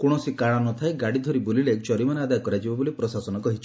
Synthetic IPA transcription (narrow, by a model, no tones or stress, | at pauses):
koɽ̃ɔsikaɽ̃anɔt̪ʰajɡaɽid̪ʱoɾibulilet͡ʃɔɾimanead̪ajɔkɔɾad͡ʒibɔbolipɾɔsasɔnɔkɔɦit͡ʃʰi̥